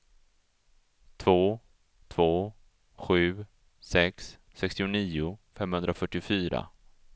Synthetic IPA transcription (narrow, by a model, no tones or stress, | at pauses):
t̪ʰvoː | t̪ʰvoː | ɧʉ̟ː | sɛksː | ɛkst̪ɪʊniːʊfɛmːhɵnd̪ɾafœʈːɪʊfyːɾa̰